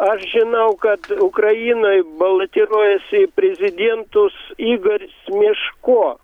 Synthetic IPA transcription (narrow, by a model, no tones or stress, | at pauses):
ɐʃʒʲɪnɐʊkɐt̪ʊkrɐjiːnoːjbɐlˠɐt̪ʲɪɾuɔjɛsʲɪpʲɾʲɛzʲɪd̪ʲeɛnt̪ʊsiːɡɐrʲsʲmʲɪʃkoː